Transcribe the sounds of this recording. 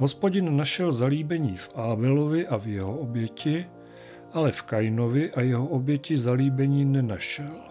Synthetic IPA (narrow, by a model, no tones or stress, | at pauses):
ɦo̞spo̞ɟɪnːaʃɛlzaliːbɛɲiːfʔaːbɛlovɪʔavjɛɦoobjɛcɪ | ʔalɛfkajnovɪʔajɛɦoʔobjɛcɪzaliːbɛɲiːnɛnaʃɛl